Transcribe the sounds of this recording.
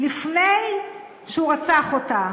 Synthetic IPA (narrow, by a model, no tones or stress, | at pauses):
lifnej | ʃeuʁat͡saχota